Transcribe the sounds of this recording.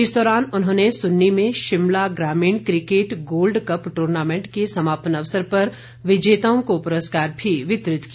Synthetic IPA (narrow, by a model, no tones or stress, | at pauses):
ɪsd̪ɔːɾaːnʊnɦõːnesʊnːimẽʃɪmlaɡɾaːmiːɳ̃kɾɪkeːʈɡoːlɖkɐpʈuːɾnaːmẽːɳʈkesɐmaːpənɐʋsəɾpɐɾ | ʋɪd͡ʒeːt̪aːõkopʊɾəskaːɾbʱiʋɪt̪ɾɪt̪kia